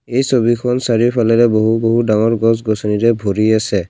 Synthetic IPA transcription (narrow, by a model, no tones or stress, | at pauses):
ejsobikʰɔnsaɹiɹpʰalɛɾɛboɦuboɦudaŋɔɹɡɔs̬ɡɔsɔniɹɛbʱoɹiasɛ